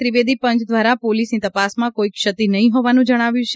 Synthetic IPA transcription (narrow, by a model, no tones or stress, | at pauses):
ɾiʋed̪ʱipə̃ɲt͡ʃd̪ʋaɾapolisnit̪əpasmãkoikʃət̪inəɦĩɦoʋanũd͡ʒəɽ̃aʋjũt͡ʃʰe